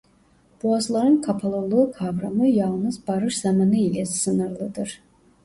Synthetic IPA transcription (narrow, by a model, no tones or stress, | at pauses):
b̥uazlˠaɾɯnkʰapʰalˠulˠuːkʰavɾamɯjɑlˠnɯzbaɾɯʃz̥amanɯilʲɛsɯnɯɾlˠɯd̪ɯɾ̥